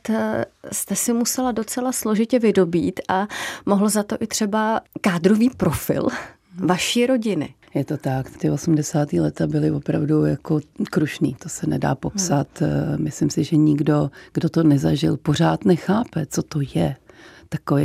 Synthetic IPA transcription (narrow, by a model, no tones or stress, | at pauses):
t̪st̪ɛsɪmusɛlado̞t͡sɛlaslo̞ʒɪcɛvɪdo̞biːt̪ʔamoɦlozat̪o̞ʔɪt̪r̝̥ɛbakaːd̪ɾoviːpɾo̞fɪ̰l | vaʃiːɾo̞ɟɪnɪ̰ | jɛt̪o̞t̪akt̪ɪʔo̞sumdɛsaːt̪iːlɛt̪abɪlɪvo̞pɾavdujakokɾuʃniːt̪osɛnɛda̰ːpo̞psat̪mɪslɪmsɪʒɛɲɪɡdo̞ɡ̥dot̪o̞nɛzaʒɪ̰lpor̝aːt̪nɛxaːpɛt͡sot̪ojɛt̪akoi